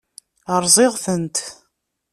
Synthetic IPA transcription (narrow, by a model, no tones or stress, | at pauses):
əɾˤzˤɪʁθənt̪